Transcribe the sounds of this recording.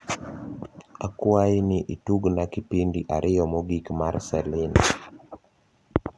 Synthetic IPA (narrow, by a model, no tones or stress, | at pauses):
akwainɪʔituɡnakipindiʔaɾʔɪjɔmɔɡikmarsɛlɪn